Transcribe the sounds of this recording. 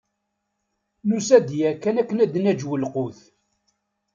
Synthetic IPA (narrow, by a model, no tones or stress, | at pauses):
nusæd̪jækːænækːənæd̪næd͡ʒwəlqʊθ